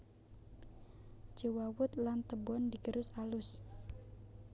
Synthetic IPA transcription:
d͡ʒəwawʊt̪̚lant̪əbɔndiɡəɾʊsalʊs

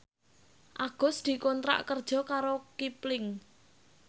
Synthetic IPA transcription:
ʔaɡ̥ɔ̤sd̪̥i̤kɔnt̪ɾa̰ʔkərd̥ʒ̥ɔ̤kaɾokiplɪŋ

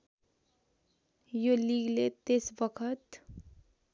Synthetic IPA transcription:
joliːɡlet̪ɪsbəkʰət̪

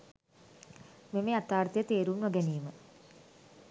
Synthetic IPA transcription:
memeat̪aːrt̪ijət̪eːɾunʋoɡɛniːmə

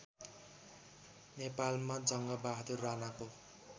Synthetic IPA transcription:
nepalmad͡zʌŋɡʌbaɦd̪urːanako

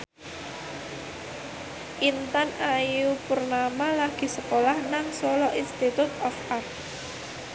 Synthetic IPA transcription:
ʔint̪anajupʊrnamalaɡ̥i̤səkolahnaŋsɔlɔʔinst̪it̪ut̪ɔfart̪̚

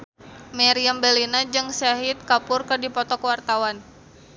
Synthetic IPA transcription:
maɾiambɛlinad͡ʒɨŋsaɦit̪̚kapʊrkɨrdipɔt̪ɔkəwart̪awan

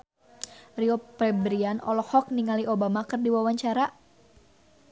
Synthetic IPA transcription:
riɔpɛbɾianɔ̰lɔhɔk̚niŋaliʔobamakɨrdiwawaɲt͡ʃaɾa

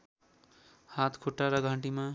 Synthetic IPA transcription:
hat̪ʰkʰoʈːaɾʌɡʱãʈima

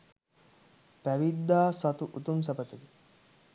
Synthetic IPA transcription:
pæʋid̪ːaːsat̪uʔut̪ums̬ɐpət̪əd̪i

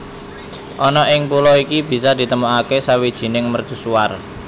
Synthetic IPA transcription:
ʔɔnɔʔɪŋpulɔikib̥i̤sɔd̪̥i̤t̪əmuakesawid̥ʒ̥i̤nɪŋmərd̪̥ṳsuar

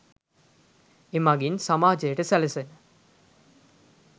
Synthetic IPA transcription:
emaɡinsamaːd͡ʒejəʈəsæləsenə

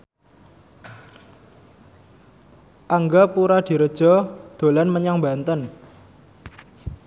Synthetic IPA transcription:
ʔaŋɡapuɾad̪̥i̤ɾəd̥ʒ̥ɔ̤d̪̥o̤lanməɲaŋba̤nt̪ən

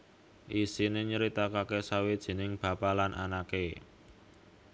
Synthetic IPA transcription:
ʔisineɲəɾit̪akakesawed̥ʒ̥e̤nɪŋb̥ä̤palanʔa̰nake

